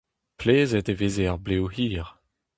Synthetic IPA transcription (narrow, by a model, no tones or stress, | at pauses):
pleːzɛt̪eveːzeaʁblewhiːʁ